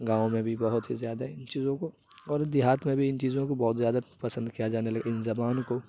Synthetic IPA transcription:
ɡãːõmẽbʱibɐɦʊt̪ɦizjaːd̪aɪnt͡ʃiːzõko | ɔːɾd̪ɪɦaːt̪mẽbʱiɪnt͡ʃiːzõkobɔːt̪zjaːd̪apɐsə̃nd̪kijad͡ʒaːnelɐɡaɪnzɐbaːnko

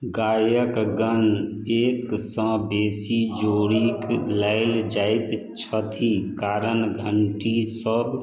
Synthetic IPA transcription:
ɡaːjəkɡən | eːksə̃beːsid͡ʒoːɾikləɪld͡ʒaːɪt̪ | t͡ʃʰət̪ʰikaːɾənɡʱəɳʈisəb

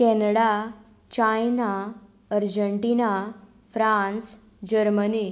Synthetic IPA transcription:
kɛnəɽa | t͡ɕajna | əɾd͡ʑəɳʈina | fɾãns | d͡ʑəɾməni

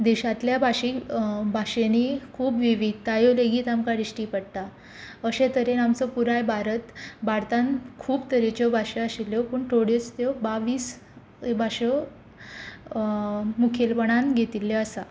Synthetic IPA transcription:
d̪eɕat̪ljabʱaɕibʱaɕenikʰuːpʋiʋiɡ̚t̪ajoleɡiːt̪amkaɽiɕʈiːpəɽt̪a | əɕẽt̪əɾenamt͡səpuɾajbʱaɾət̪baɾt̪ankʰuːbt̪əɾet͡ɕɔbʱaɕeəsilːjɔpuːɳʈʰoɽet͡st̪jɔbaʋiːs | bʱaɕɔ | mukʰelpəɳanɡʱet̪ilːeəsa

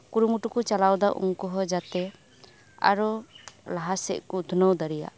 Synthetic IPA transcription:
kuɾumuʈukut͡ʃalawd̪aʔṵŋkɔɦɔd͡ʒat̪ɛ | a̰ɾulaɦasɛ̰ʔkud̪ʱunəwd̪əɾija̰ʔ

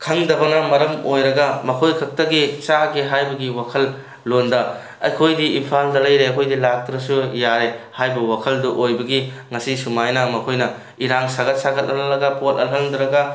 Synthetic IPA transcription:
kʰɐŋdɐbɐnɐmɐɾɐmojɾɐɡɐmɐkʰojkʰɐk̚tɐɡit͡ʃaɡiɦajbɐɡiwakʰɐlː | ondɐ | ɐ̰jkʰojdiimpʰaldɐlɐjɾeɐkʰojdilak̚tɾɐsujaɾehajbɐwakʰɐlduʔojbɐɡiŋɐsisumajnɐmɐkʰojnɐ | iɾaŋsaɡɐt̚saɡɐt̚ɐlɐlːɐɡɐpotɐlɦɐlndɾɐɡɐ

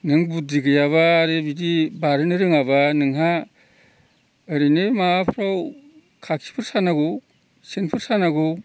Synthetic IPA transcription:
nɯŋbudiɡɯjaβaːɾebidibaɾɯnɯɾɯŋabanɯŋɦa | ɯɾinemapʰɾaw | kʰakʰi̥pʰɯɾsanaɡo | senpʰɯɾsanaɡuw

